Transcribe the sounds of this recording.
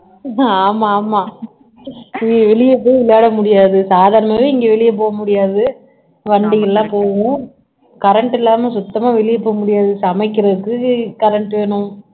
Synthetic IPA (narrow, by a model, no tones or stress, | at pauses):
aːmaːmaː | ʋɛɭɪjɐpːoːjʋɪɭːaːɽɐmʊɽɪjaːðɯsaːðaːɾɐmɐmaːʋeːɪŋɡeːʋɛɭɪjɐp̬oːɣɐmʊɽɪjaːðɯ | ʋɐɳɖɪŋɛlːãːpoːɣʊ̃ | kɐɾɐɳʈɪlːaːmesʊt̪ːɐmaːʋɛɭɪjɐpoːjɐmʊɽɪjaːðɯsɐmɐɪkːɪɾɐðɯkːɯkɐɾɐɳʈʋeːɳʊ̃